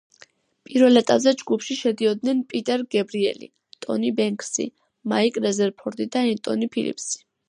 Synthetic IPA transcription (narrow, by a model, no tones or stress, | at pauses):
pʼiɾvɛlɛt̪ʼabzɛd͡ʒɡupʰʃiʃɛd̪iɔd̪̚nɛnpʼit̪ʼɛɾɡɛbɾiɛ̰lḭ | t̪ʼɔ̰nibɛŋkʰʼsḭ | maikʼɾɛzɛɾpʰɔɾd̪id̪aɛnt̪ʼɔ̰nipʰilḭpʰsi̥